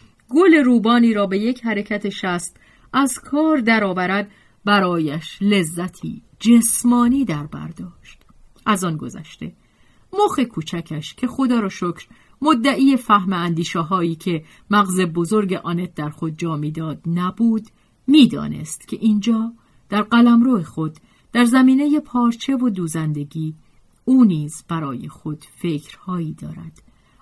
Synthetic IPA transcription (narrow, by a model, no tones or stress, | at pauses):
ɡoleɾuːbɒːniːɾɒːbe̞je̞cʰɦæɾe̞cʰæt̪ʰe̞ʃæst̪ | æzkʰɒːɾd̪æɾɒːvæɾæd̪̚ | bæɾɒːjæʃle̞zːæt̪ʰḭː | d͡ʒesmɒːniːd̪æɾbæ̰ɾd̪ɒːʃt̪ | ʔæzɒnɡo̞̰zæ̰ʃt̪e̞̰ | moxe̞kʰuːt͡ʃʰæcʰæʃcʰe̞xo̞d̪ɒːɾɒːʃokʰɾ | mod̪ːæʔiːefæhmeænd̪iːʃeɦɒːiːcʰe̞ | mæɣze̞bozoɾɟeʔɒːnet̪̚d̪æɾxo̞d̪̚d͡ʒɒːmiːd̪ɒːd̪næbuːd̪ | miːd̪ɒ̰ːne̞̰st̪cʰe̞ʔiːnd͡ʒɒː | d̪̥æɾɢælæmɾoːexo̞d̪̥ː | æɾzæmiːne̞jepʰɒːɾt͡ʃʰe̞vod̪uːzænd̪e̞ɟiː | uːniːzb̥æɾɒːjḛxo̞d̪̥fe̞cʰɾhɒːiːd̪ɒ̰ːɾæ̰d̪̥